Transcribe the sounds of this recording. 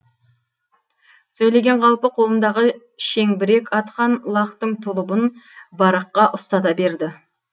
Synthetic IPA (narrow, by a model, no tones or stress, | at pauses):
sɵjle̞ɡʲe̞ɴʁʰɑlˠpəqʰo̞lˠənd̪ɑʁə | ʃe̞ŋbɪɾe̞kʲɑt̪qɑnlˠɑqt̪əɴt̪ʰʊlˠʊbənbɑɾɑqːɑʔʊst̪ɑt̪ɑbe̞ɾd̪ɪ